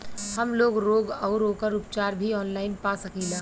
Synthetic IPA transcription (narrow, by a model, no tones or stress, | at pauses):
həmloːɡɾoːɡɔːɾoːkəɾʊpt͡ʃaːɾbʱiɔːnlaːɪnpasɐkilaː